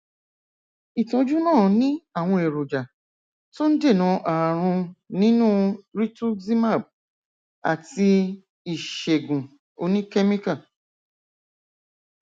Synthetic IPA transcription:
i˨tɔ̃˨˧d͡ʒu˦nãː˦˨nĩ˦a˦˨w̃ɔ̃˧e˨ɾo˨d͡ʒa˨ | to˦n̩˦de˦˨nã˨˧˦ʔa˨a˨ɾ̃ũ˧nĩ˦nũː˦ɾi˦tu˦zi˦ma˦˨b̚ | a̰˨ti˧ | i˨ʃe˨ɡũ˨ | o˧nĩ˦ke˦mĩ˦ka˦˨

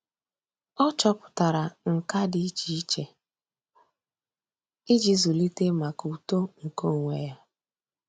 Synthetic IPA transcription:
ɔ˦t͡ʃɔ˦pʊ̥˨ta˨ɾa˨ŋ̩˨ka˦dɪ˦i˦t͡ʃi˨i˦t͡ʃe˨ | ɪ˦d͡ʒi˦zu˨li˦te˦ma˨ku˨to˦ŋ̩˨ko˦˨ŋʷe˨ja˦

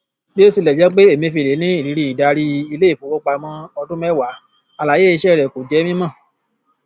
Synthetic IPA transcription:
je˦su˧˨lɛ˨d͡ʒɛ˨˦k͡pe˦e˦˨mĩ˧fi˧˨le˨˦nĩ˦i˦˨ɾi˨˦ɾi˦i˨da˨˧ɾi˧i˧le˦i˦˨fu˨˦wo˦k͡pa˧˨mɔ̃˧ɔ˧dũ˦mɛ˦wa˨˦ | a˧la˨je˦i˧ʃɛ˦˨ɾɛ˨ko˨d͡ʒɛ˨˦mĩ˦mã˦˨

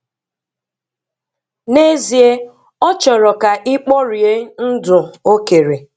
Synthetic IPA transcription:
ne˦zi˨e˦ | ɔ˦t͡ʃɔ˨ɾɔ˨ka˨ʔɪ˦k͡pɔ˦ɾi˨e˦n̩˦dʊ˨o˦ke˨ɾe˨

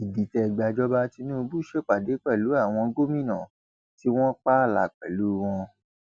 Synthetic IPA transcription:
i˨di˨tɛ˧˨ɡ͡ba˧d͡ʒɔ˦ba˦ti˧˦nũː˦˧bu˦ʃe˦k͡pa˨de˨˦k͡pɛ˦˨lu˨˦a˦˨w̃ɔ̃˧ɡo˦mĩ˦˨nã˨ | ti˦w̃ɔ̃˦k͡pa˦˨la˨k͡pɛ˨lu˨˦w̃ɔ̃˧

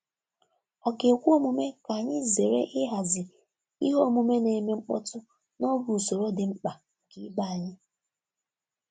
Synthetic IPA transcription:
ɔ˨ke˨kʷu˦o˦mu˨me˦ka˨ɲɪ˦ze˨ɾḛ˦ʔɪ˦ɦa˨zɪ˨ | ḭ˦ɦo˦˨mu˨me˦ne˨me˦ŋ͡m̩˦k͡pɔ̰˦tʊ˦ | nɔ˦ɡu˨so˨ɾo˦dɪ˨ŋ͡m̩˦k͡pa˨ | ɡɪ˦ba˦a˨ɲɪ˦

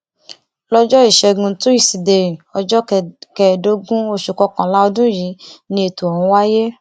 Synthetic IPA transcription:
lɔ˦d͡ʒɔ˦i˦˨ʃɛ˧ɡũ˧tu˦i˦˨si˨de˨ɾĩ˨ɔ˧d͡ʒɔ˦kɛ˨do˦ɡũ˦o˧ʃu˨kɔ˧kã˨la˦ɔ˧dũ˦ji˨˦nĩ˧e˧tu˨ɔ˨hũ˨˧˦wa˦je˦

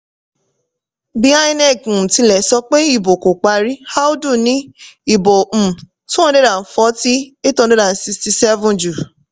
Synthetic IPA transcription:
bi˦a˦ĩ˦nɛ˦˨k̩˨tĩ˧lɛ˨sɔ˧k͡pe˦i˦˨bo˨ko˨k͡pa˧ɾi˦ha˦du˦˨nĩ˦i˦˨bõ˨ | tũ˦ɔ̃˦˧de˦ɾa˨n̩˨˦fɔ˨˦ti˦e˦tɔ̃˦˧de˦ɾa˨n̩˨si˧sti˧sɛ˦vũ˦d͡ʒu˨

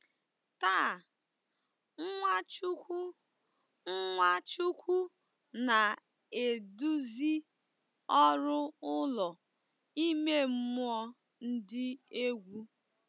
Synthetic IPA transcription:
ta˦˨˦ | ŋʷa˦t͡ʃu˦kʷu˦ | ŋ̩˦ŋʷa˦t͡ʃu˦kʷu˦ | na˨ | e˨du˦zi˦ | ɔ˦ɾʊ˦ʊ˦lɔ˨ | i˦me˦m̩˦mʊ˦ɔ˦ | n̩˦dɪ˦e˦ɡʷu˦

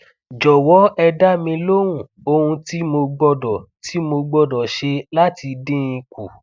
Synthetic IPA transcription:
d͡ʒɔ˨wɔ˨˦ɛ˧da˦mĩ˧lo˦wũ˦˨ | o˧hũ˧ti˦mo˧ɡ͡bɔ˧dɔ˨ti˨˦mo˧ɡ͡bɔ˧dɔ˨ʃe˧la˦ti˧dĩ˦ĩ˧ku˨

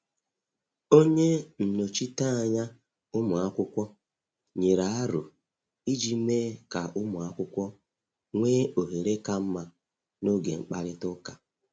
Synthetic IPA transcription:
o˦ɲe˦n̩˨no˨t͡ʃi˦ta˦a˨ɲa˦ | ʊ˦mʊ˨a˦kʷʊ˦kʷɔ˦ | ɲe˨ɾa˨a˦ɾʊ˨ | i˦d͡ʒi˦meː˦ka˨ʊ˦mʊ˨a˦kʷʊ˦kʷɔ˦ | ŋʷeː˦o˨ɦe˨ɾe˦ka˦m̩˦ma˦ | no˦ɡḛ˨ŋ͡m̩˨k͡pa˦ɾɪ˦tʊ˦ka˨

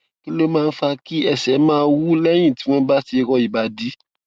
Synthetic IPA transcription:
ki˦lo˦mãː˦˧n̩˦fa˧ki˦ɛ˦˨sɛ˨˦mãː˦˧wu˦lɛ˦j̃ĩ˦˨ti˨˦w̃ɔ̃˦n̩˦ba˦ti˧e˧kɔ˧i˨ba˧di˨˦

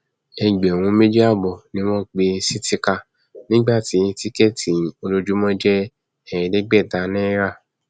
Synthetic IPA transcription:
ɛ˧ɡ͡bɛ˨w̃ũ˨˦me˦di˦a˦˨bɔ˨nĩ˦mɔ̃˦k͡pe˧si˦ti˧ka˧ | nĩ˦ɡ͡ba˦˨ti˨˦ti˦kɛ˦˨tʰĩ˨o˧lo˧d͡ʒu˦mɔ̃˦d͡ʒɛ˦ | ɛ̃˦˨ɛ̃˨dɛ˦ɡ͡bɛ˦˨ta˨˦nĩ˦ɾa˦˨

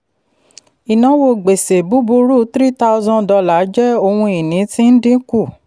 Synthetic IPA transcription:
i˨nã˨˦wo˧˨ɡ͡be˨se˨bu˨˦bu˧˦ɾu˦˨tɾi˦ta˦u˧zɔ̃˧dɔ˧la˨˦d͡ʒɛ˦o˧wũ˧i˨nĩ˨˦tĩ˦n̩˦dĩ˦ku˦˨

